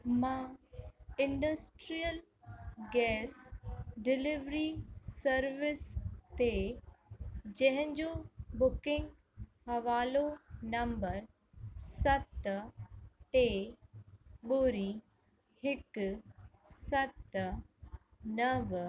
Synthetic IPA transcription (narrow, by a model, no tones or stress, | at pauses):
mã | ɪ̃ɳɖəsʈɾijəl | ɡɛːsɖɪlɪʋɾisɐɾʋɪst̪e | d͡ʑɐ̃ɦɪ̃ɲd͡ʑobʊkɪ̃ŋɡ | hɐʋaːlonɐ̃mbəɾ | sɐt̪ | ʈe | ɓoːɾi | hɪk | sɐt̪ | nɐʋ